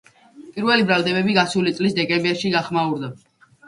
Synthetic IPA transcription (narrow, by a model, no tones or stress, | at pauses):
pʼiɾvɛlibɾalˠd̪ɛbɛbiɡasulit̪sʼlisd̪ɛkʼɛmbɛɾʃiɡaχmauɾd̪a